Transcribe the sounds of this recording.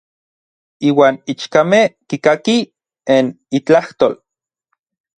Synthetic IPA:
iːwaːnit͡ʃkamehkikaki | en | it͡ɬaht̪oːl

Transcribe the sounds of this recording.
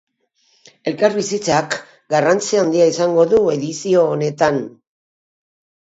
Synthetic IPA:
e̞lkaɾβisit͡sak | ɡarant͡siaːnd̪iaisaŋɡo̞ðue̞ðisio̞ːne̞t̪an

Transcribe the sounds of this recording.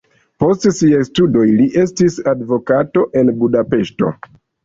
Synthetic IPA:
po̞stsiajstudo̞jliʔe̞stisadvo̞kato̞ʔe̞nbudape̞ʃto̞̰

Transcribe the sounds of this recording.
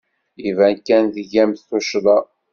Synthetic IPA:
ivænkːænðəʝæmθθuʃðˤɑ

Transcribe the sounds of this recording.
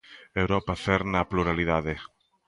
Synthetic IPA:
ewɾɔpaθeɾnɐpluɾaliðaðe

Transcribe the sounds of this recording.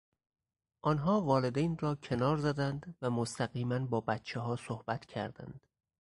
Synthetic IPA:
ʔɒːnɦɒːvɒːle̞d̪ejnrɒːcʰe̞nɒːɾzæd̪ænd̪væmost̪ʰæɣiːmænbɒːbæt̪t͡ʃʰeɦɒːsohb̥æt̪ʰcʰæɾd̪æ̰nd̪̥

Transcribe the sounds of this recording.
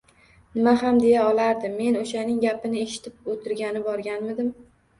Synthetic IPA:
nɪmaɦamd̪e̞jaɒlaɾd̪ɪmːe̞noʃanɪŋɡʲapɪnɪe̞ʃɪ̥t̪ʰɪp̚ot̪ʰɪɾɡʲanɪbɒɾɡʲanmɪd̪ɪm

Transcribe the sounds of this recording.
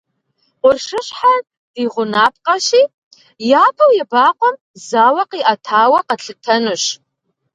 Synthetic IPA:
qʷʊrʂɨɕħa | d̥iʁʷʊnaːp̚ʰqʼaʃiː | jaːbʰɐwjabaːqʷʼɔm | zaːwɐqʼiʔatʰaːwɐqʼaɬɨtʰɐnɨʃ

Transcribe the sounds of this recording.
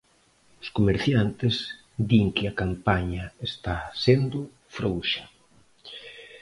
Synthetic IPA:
ʊskomeɾθjant̪ɪz | d̪iŋkɪakampaɲaest̪asend̪ʊ | fɾowʃɐ̥

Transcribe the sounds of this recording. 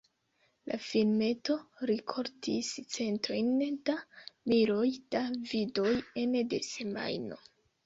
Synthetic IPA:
lʔa̰filme̞to̞ɾikʰo̞ɾtʰist͡se̞ntɾo̞jnd̥amiɾo̞jd̥avido̞je̞ndese̞ma̰jno̞̰

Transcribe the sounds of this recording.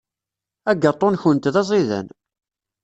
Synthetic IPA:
æɡːɑt̪ˤːonçənt̪ðɑzˤiðæ̰n

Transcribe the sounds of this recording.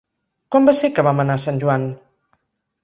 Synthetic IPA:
kwambasekəβamənasanʲʒuan

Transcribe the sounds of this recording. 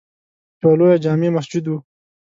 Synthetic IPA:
t͡ʃolojad͡ʒɑːmemasd͡ʒud̪wu

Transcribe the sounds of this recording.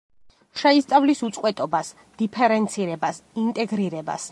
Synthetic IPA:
ʃɛist̪sʼavlisut̪sʼqʼwɛt̪ʼɔbas | d̪̥ipʰɛɾɛnt̪sʰiɾɛbasint̪ʼɛɡɾiɾɛba̰s

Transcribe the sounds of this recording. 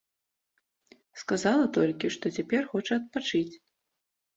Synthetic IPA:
skazalˠɐt̪ɔlʲkʲiʂt̪ɔt͡sʲapʲɛrxɔt͡ʂɐɐt̪̚pat͡ʂɨt͡sʲ

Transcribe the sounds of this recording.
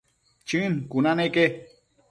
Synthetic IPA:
t͡ʃinkunaneke

